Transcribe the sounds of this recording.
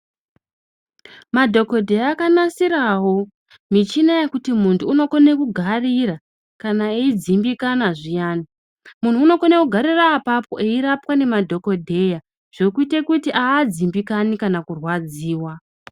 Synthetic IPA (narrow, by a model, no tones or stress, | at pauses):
madʱo̞ko̞dʱe̞jaːkanasiɾawo̞ | mit͡ʃinajekutimuntʰuːno̞ko̞nekuɡʱarira | kanaeid͡zimbikanaʐijaːni | mun̤uːno̞ko̞ne̞kuɡʱaɾiraːpapo̞ʔeiɾapwane̞madʱo̞ko̞dʱe̞ja | ʐ̥o̞kuite̞kutiʔaːd͡zimbikanikanakurwad͡ziːwa